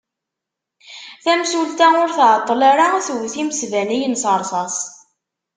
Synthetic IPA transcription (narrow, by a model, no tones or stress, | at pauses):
θæmsult̪aʊɾθʕt̪ˤːlaɾaθwθiməsvænijənsəɾˤsˤɑsˤ